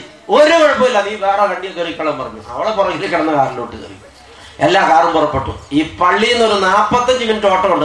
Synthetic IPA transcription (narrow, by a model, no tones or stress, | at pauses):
oɾukɐɻpːɐmilːɐniːʋeːɽɐkɐɳɖijɐkːɐrikʲːɐɭɐmpɐrɐɲːṵɐ̰ʋiɽepurɐŋilkːɐɽɐnːɐkaːɾɐloːʈːɨkɐ̰riju | elːaːkaːɾɐumpurɐpːe̞ʈːṵiːpɐɭːienːoɾunaːpːɐt̪ːɐɲd͡ʑɨminitːo̞ːʈːɐuɳɖɨ